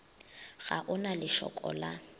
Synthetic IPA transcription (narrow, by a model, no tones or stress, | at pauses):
ɣaʔʊnalɪʃɔ̰kʼɔ̰la